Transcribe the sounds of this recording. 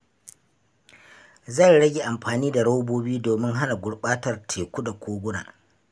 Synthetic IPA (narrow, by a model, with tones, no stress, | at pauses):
zɐ˦˨jɽɐ˦ɡʲe˨ʔa˨mɸaː˨niː˦da˨ɽa˦wboː˦biː˦doː˨mɪ˦ŋɦa˦na˨ɡʷʊ˦ɽɓaː˦tɐ˨rtʰeː˨kʷu˦da˨kʷʰoː˦ɡʷʊ˦na̰ː˨